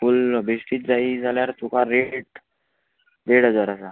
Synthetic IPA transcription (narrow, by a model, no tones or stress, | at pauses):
fulbesʈiːt̪d͡zaid͡zʱaljaɾtukʰaɾeʈ̚ | d̪eɽəd͡zəɾasa